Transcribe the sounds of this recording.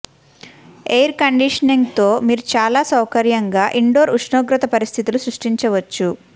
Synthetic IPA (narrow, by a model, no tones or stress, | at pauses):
ejɐɾkɐɳɖiʂɐniŋɡt̪o̞ːmiːɾut͡ʃaːlaːsɐwkɐɾjɐŋɡaːʔiɳɖoːɾuʂnoːɡɾɐt̪ɐpɐɾist̪ʰit̪ulusɾuʂʈiɲt͡ʃɐʋɐt͡ʃːu